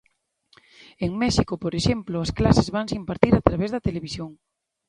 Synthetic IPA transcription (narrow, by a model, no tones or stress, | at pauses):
eŋmɛʃikopoɾeʃemplʊasklasezβaŋsimpaɾt̪iɾat̪ɾaβezðɐt̪eleβisjoŋ